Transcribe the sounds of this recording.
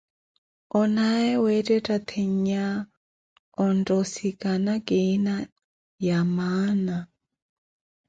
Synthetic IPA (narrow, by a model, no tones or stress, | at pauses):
ɔnaɛwɛtʼɛtʼat̪ʰeɲ̩ɲa | ɔndʼɔsikʼanakʼena | jamaːna